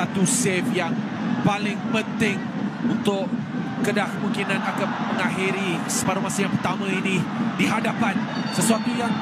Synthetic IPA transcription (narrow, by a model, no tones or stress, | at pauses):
at̪usɛfjaŋ | palɪŋpənt̪ɪŋ | unt̪ʊʔ | kːədahkəmuŋkinãnakanmə̃ŋaɦiɾisəpaɾamasajaŋpərt̪amãinidiɦadapan | səsuat̪ujaŋ